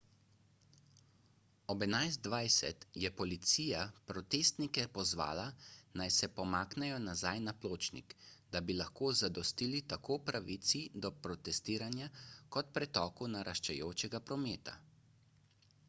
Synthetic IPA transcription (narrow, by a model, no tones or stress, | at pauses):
ɔbɛnajzd̪ʋajsɛ̰t̪jɛpɔlit̪siːjapɾɔt̪eːst̪nikɛpɔzʋa̰ːlanajsɛpɔmaːknɛjɔnazajnaploːt͡ʃnḭkd̪abilaxkoːzad̪ɔst̪iːlit̪akʰoːpɾaʋit̪sid̪ɔpɾɔt̪ɛst̪iːɾanjakɔt̪̚pɾɛt̪ɔːkunaɾʔaʃt͡ʃɛjoːt͡ʃɛɡapɾɔmeːt̪a̰